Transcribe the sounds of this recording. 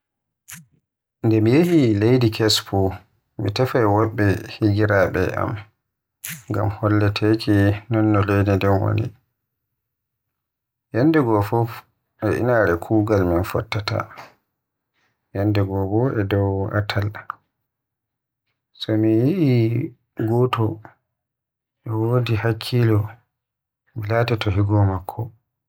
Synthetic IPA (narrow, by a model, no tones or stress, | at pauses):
ndɛmijehilejdikʰɛspʰu | mitɛfajwɔɓːɛhiɡiɾabɛ̰ʔa̰m | ŋɡa̰mhɔlːɛtʰekʰinɔnːɔlejdidɛnwo̰nḭ | jɛndɛɡɔfuf | ʔɛʔḭnaɾɛkʰuːɡalminfɔ̰tːata̰ | jandɛɡɔbɔɛdɔwa̰tʰal | sɔmijiʔi | ɡɔtɔ | ʔɛwoːdihakʰːilɔ | milatɛtɔɦiɡɔmakʰːɔ